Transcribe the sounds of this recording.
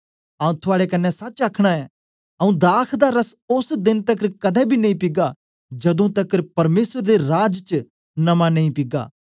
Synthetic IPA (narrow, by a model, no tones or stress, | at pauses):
ɐːũt̪ʰʊaːɽekɐnːɛsɐtːt͡ʃaːkʰɽ̃aɛ | ɐũd̪aːkʰd̪aɾɐsʊsd̪ɪnt̪ɐkɾkɐd̪ɛbʱinɐĩpɪɡa | d͡ʒɐd̪ũt̪ɐkɾpɐɾmeːsɾd̪eɾaːd͡ʒt͡ʃ | nɐmanɐĩpɪɡa̰ː